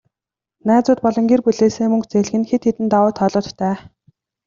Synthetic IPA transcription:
næːt͡sʊːt̪̚pɔɮɞ̆ŋɡirpuɮeːseːmɵŋkt͡seːɮ̆ɣɘ̆nxet̪xet̪ɘ̆nt̪awʊːt̪ʰɔɮʊːt̪ːʰæː

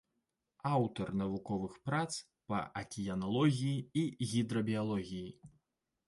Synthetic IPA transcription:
awt̪ɐrnɐvukɔvɨxpɾat̪s | pɐ̰ʔɐkʲijɐnalˠɔɣʲijiiɣʲid̪ɾɐbʲijalˠɔɣʲiji

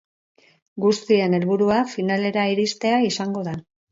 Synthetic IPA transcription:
ɡust̪ie̞ne̞lβuɾuafinale̞ɾaiɾist̪e̞aisaŋɡo̞ða

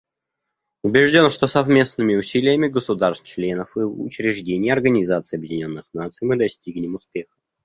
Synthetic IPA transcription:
ʊbʲɪʐdʲo̞nʂt̪o̞sɐvmʲe̞snɨmʲɪʊsʲilʲɪjəmʲɪɡəsʊd̪arst͡ɕlʲe̞nəfɨʊ̰t͡ɕɾʲɪʐdʲenʲɪjəɐrɡənʲɪzat̪sɨɪɐbjɪdʲɪnʲo̞nːɨxnat̪sɨjmɨd̪ɐsʲtʲiɡnʲɪmʊspʲexə̥

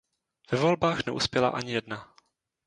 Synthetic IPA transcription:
v̥ɛvo̞lbaːxnɛ̰ʔṵspjɛla̰ʔaɲɪjɛdna

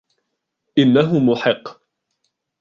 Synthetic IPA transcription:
ʔɪnːaɦʊmʊħɪqː

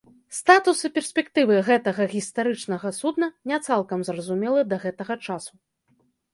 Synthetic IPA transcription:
st̪at̪usɨpʲɛrsʲpʲɛkt̪ɨvɨɣɛt̪ɐɣɐɣʲist̪aɾɨt͡ʂnɐɣɐsud̪nɐnʲɛt̪salˠkɐmzrɐzumʲɛlˠɐd̪ɐɣɛt̪ɐɣɐt͡ʂasu

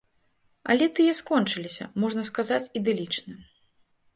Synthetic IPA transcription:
ɐ̰lʲɛt̪ɨjɛskɔnt͡ʂɨlʲisʲɐ̰mɔʐnɐskazat͡sʲid̪ɛlʲit͡ʂnɨ

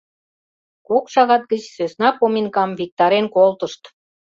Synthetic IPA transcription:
kokʃɑɣɑt̪̚ɡət͡ɕsøsnɑpominkɑmvik̚t̪ɑɾenkolt̪ə̆ʃt̪

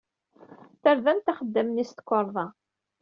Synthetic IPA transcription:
θəɾðænt̪aχəd̪ːæmnist̪kʷːəɾˤðˤɑ

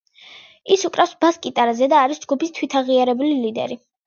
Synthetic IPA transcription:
isukʼɾafsbaskʼit̪ʼaɾazɛd̪aːɾisd͡ʒɡupist̪ʰwit̪ʰaʁiaɾɛbulilid̪ɛ̰ɾi

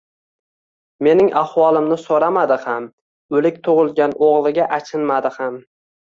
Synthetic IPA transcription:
me̞nɪŋʔahwɒlˠɪmnɪsoɾamad̪ɪham | ɵlɪk̚ʲt̪ʰʊʁɨlˠɡʲanʔoʁlˠɪɡʲaʔat͡ʃʰɪnmad̪ɪham

